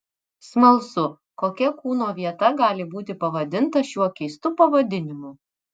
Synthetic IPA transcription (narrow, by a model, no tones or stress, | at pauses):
smɐlˠsʊ | koːkʲɛkuːnoːʋʲiɛt̪ɐɡɑːlʲɪbuːt̪ʲɪpɐʋɐd̪ʲɪnt̪ɐʃʲuɔkʲɛɪst̪uːpɐʋɐd̪ʲɪnʲɪmu